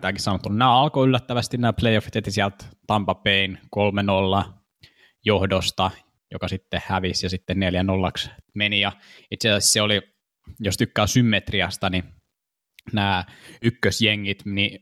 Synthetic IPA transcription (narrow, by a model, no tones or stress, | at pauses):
t̪æːkissɑnot̪ːununæːɑlkoylːæt̪ːæʋæst̪innæːplejofit̪et̪ːisiælt̪tɑmpɑpeinkolmenolːɑ | johdost̪ɑ | jokɑsit̪ːehhæʋisjɑsit̪ːenneljænolːɑksmenijɑit̪siæsesseoli | jost̪ykːæːsymːet̪riɑst̪ɑni | næːykːøsjeŋːit̪ni